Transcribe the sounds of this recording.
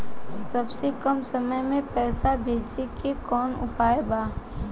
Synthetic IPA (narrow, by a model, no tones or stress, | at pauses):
sɐbsekɐmsɐməjmẽpɛːsabʱeːd͡ʒekekɔːnʊ̰paːebaː